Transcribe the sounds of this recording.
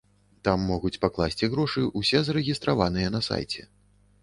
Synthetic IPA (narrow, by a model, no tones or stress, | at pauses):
t̪amːɔɣut͡sʲpaklˠasʲt͡sʲiɣɾɔʂɨusʲɛzɐɾɛɣʲist̪ɾavan̪ɨjɐnɐsa̰jt͡sʲɛ̰